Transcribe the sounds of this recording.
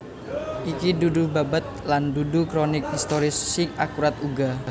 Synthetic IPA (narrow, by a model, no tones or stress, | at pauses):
ʔikidudubabat̪̚landudukɾonɪk̚hist̪oɾɪsːɪŋakuɾat̪uɡa